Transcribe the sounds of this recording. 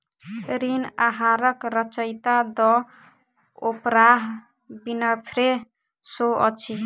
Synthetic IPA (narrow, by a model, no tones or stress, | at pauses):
ɾinaɦaɾʌkɾʌt͡ʃʌjt̪ad̪ɔ | opɾaɦ | binʌpʰɾe | soʌ̰t͡ʃʰi